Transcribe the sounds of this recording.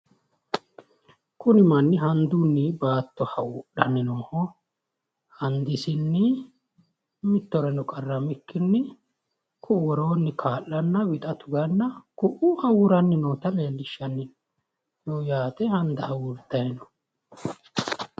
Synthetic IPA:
kʊnɪmɐnːɪɦɐnd̪unːɪbaːt̪ːɔhɐwʊɗɐ̰nːɪnoːhɔ | hɐnd̪ɪsɪnːɪ | mɪt̪ːɔɾɛnɔkʼɐrːɐmɪkːɪnːɪ | kʰʊwɔɾo̞ːnːɪkʰaːlːɐnːɐwɪt̪ʼɐt̪ʊɡɐnːɐkʊʔʊhɐwʊɾɐnːɪnoːt̪ɐleːlːɪʃːɐnːɪn | joːjaːt̪ɛhɐnd̪ɐhɐwʊɾt̪ːɐjɛnɔ̥

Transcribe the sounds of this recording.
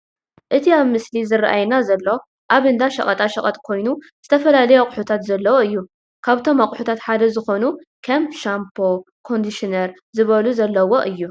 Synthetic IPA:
ʔɨt̪ʰiaβmɨslizɨrʔajnazɐlːo̞ | ʔaβɨnd̪aʃɐχʼɐt̪ʼaʃɐkʼɐt̪ʼkʰo̞jnu | z̥ɨt̪ʰɐfɐlalɐjokʼʊħut̪ʰat̪zɐlːɐwoɨjːu | kʰaβt̪ʰo̞makʼħut̪ʰat̪ħad̪ɐzɨxo̞nukʰɐmpʃampʰo̞ | kʰo̞nd̪iʃinɐɾ | zɨβɐluzɐlːɐwo̞ʔɨjːu

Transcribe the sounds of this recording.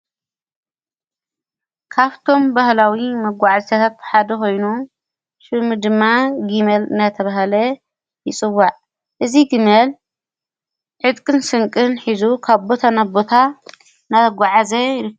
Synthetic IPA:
kʰaβt̪ʰo̞mbahlawimɐɡʷaʕazt̪ʰat̪ʰat̪̚ħad̪ɐko̞jnu | ʃɨmɨd̪ɨmːaɡimɐlɨ̰nd̪at̪ʰɐβaɦalɐ | jɪt͡sʼɨwːaʕ | ʔɨziɡimɐl | ʕɨt̪kʼɨnsɨŋkʼɨnħizukʰaβbo̞t̪ʰanabo̞t̪ʰa | naɐɡʷaʕazɐjɾɨ

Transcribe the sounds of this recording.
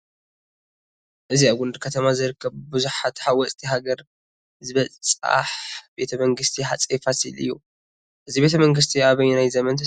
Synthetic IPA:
ʔɨziaβɡund̪kʰɐt̪ʰɐmazɨɾɨkʰːɐβbuzuħat̪ħawɔsʼt̪ʰiɦaɡɐɾ | zɨβɐt͡sʼt͡sʼa̰ħb̥e̞t̪ʰɐmɐŋɡɨst̪ʰiħat͡sʼefasḭlɨ̰jːu | ʔɨzibe̞t̪ʰɐmɐŋɡɨs̬t̪ʰiaβɐjnajzɐmɐnt̪ʰ

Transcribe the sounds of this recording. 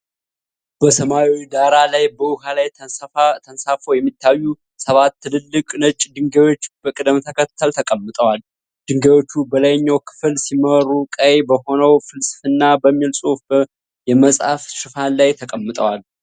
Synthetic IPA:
b̥əsəmawid̪aɾalajbəwʊhalajt̪ʰənsafowjɛmːit̪ʰːajːu | səβat̪ːɨlɨlːɨkʼnət͡ʃʼːd̪ɨŋɡəjo̞t͡ʃːb̥əkʼɨd̪əmt̪ʰəkʰət̪ʰːəlt̪ʰəkʼəmːɨt̪ʼəwal | d̪̥ɨŋɡəjo̞t͡ʃːubəlajɲːawkʰɨ̥fɨlsiməɾukʼəjbəho̞nəwfɨlsʼɨ̥fɨnːabəmːilsʼo | jɛməsʼha̰fʃɨfanlajt̪ʰəkʼəmːɨt̪ʼəwal

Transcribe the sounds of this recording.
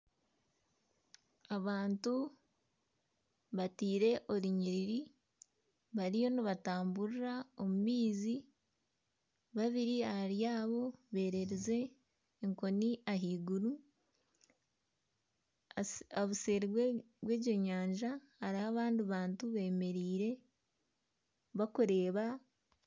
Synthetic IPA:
aβaːntu | βatiːɾe̞ʔo̞ɾiɲiɾiɾi | βaɾijo̞niβataːmbuɾiɾao̞mumiːzi | βaβiɾiahaɾjaːβo̞βe̞ːɾe̞ɾeze̞ː | ŋko̞niʔaɦiːɡuɾu | aβuse̞ːɾi | βwe̞ːɟo̞ɲaːɲʒahaɾiaβaːndiβaːntuβe̞ːme̞ɾiːɾe̞ | βakuɾe̞ːβa

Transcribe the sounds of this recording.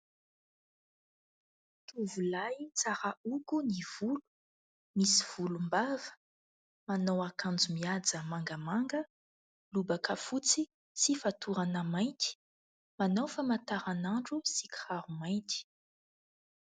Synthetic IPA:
t̪uvulajt͡saɾaukuniv̥ulu̥ | misiv̥ulumbavə̥ | manowakand͡zumiad͡zəmaŋɡəmaŋɡə | lubakəfut͡si | sifat̪uɾanəmajnt̪i̥ | manowfamat̪aɾanaɳɖ͡ʐusikχaɾumajnt̪i̥

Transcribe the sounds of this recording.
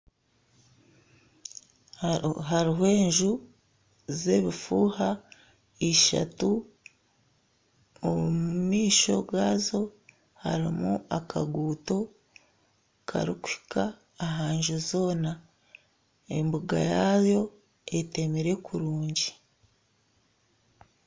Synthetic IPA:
ɦaɾiɦwe̞ːɲʒu | ze̞βifuːha | iʃa̰tu | omumiːʃo̞̰ɡaːzo̞ | haɾimuakʰa̰ɡuːto̞ | kʰa̰ɾiku̥hi̥kʰaː | ɦaːɲʒuzo̞ːna | e̞mbuɡa̰jaːβjo̞ | ete̞meɾe̞kuɾuːɲɟi

